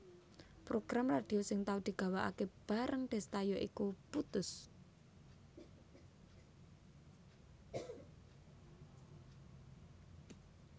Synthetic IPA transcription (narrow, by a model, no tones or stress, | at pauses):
pɾoɡ̥ɾamrad̪̥i̤osɪŋt̪aud̪̥i̤ɡ̥a̤waʔa̰keb̥a̤ɾʔəŋɖ̪̥ɛ̤st̪ajɔʔḭkuput̪ʊs